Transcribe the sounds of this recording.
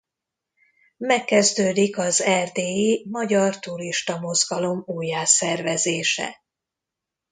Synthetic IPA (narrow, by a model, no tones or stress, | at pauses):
mɛkːɛzd̪øːd̪ikɒzɛrd̪eːimɒɟɒrt̪uɾiʃt̪ɒmo̞zɡɒlo̞muːjːaːsɛrvɛzeːʃɛ̰